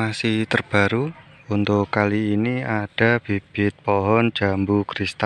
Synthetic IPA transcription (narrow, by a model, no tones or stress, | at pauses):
asɪht̪ərb̥aɾu | unt̪ʊkkaliːniad̥a̤b̥ib̥ɪt̪̚pɔɦɔn̥d͡ʒ̥a̤mbukɾist̪a